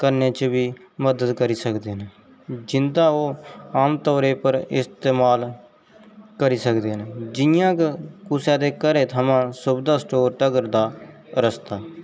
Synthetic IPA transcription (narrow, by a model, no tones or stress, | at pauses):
kəɾneːt͡ʃʋiː | məd̪əd̪kəɾiːsəkd̪eːneː | d͡ʒɪnd̪aːoːaːmt̪ɔːɾeːpəɾɪ̰st̪eːmaːl | kəɾiːsəkd̪eːɦned͡ʒɪjãːkkʊsẽːd̪eːkəɾeːt̪ʰəmãːsʊbd̪aːsʈoːɾʈəɡəɾd̪aː | ɾəst̪aː